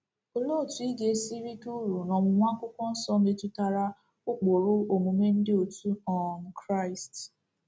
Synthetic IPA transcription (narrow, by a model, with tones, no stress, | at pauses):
o˨lo˦˨tu˨i˦ɡe˦si˦ɾi˦tu˦ɾu˨nɔ˨mʊ˨ŋʷa˦kʷʊ˦kʷɔ˦n̩˦sɔ˦me˨tu˦ta˨ɾa˦ | ʊ˦k͡po˨ɾʊ˦o˨mu˨me˦n̩˦dɪ˦o˨tu˦ɔ˨n̩˨kɾa˦˨ɪ˨st